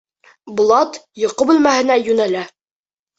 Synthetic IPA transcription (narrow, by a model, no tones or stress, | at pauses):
bŭlˠɑt̪jŏqɤbɘ̆lmæhɘ̆næjʉnælæ